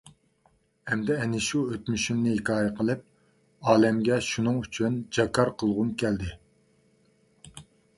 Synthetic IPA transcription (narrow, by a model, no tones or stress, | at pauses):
hɛmd̪ɛɛnɪʃuøt̪myʃymnɪhɪkʰɑːjəqʰəlˠɨp̚ | ɑːlɛmɡʲɛʃunɨŋyt͡ʃʰynd͡ʒɑkʰɑɾqʰəlˠʁʊnkʲʰæld̪ɪ